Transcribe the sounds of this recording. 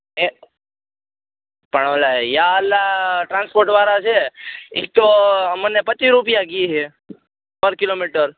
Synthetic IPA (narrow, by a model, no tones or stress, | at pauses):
e | pəɳʋəlajaəlːaʈɾãnspoɾʈʋaɾat͡ʃʰeḭk̚t̪omənepət͡ʃiɾupijaɡiiɦe | pəɾkilomiʈəɾ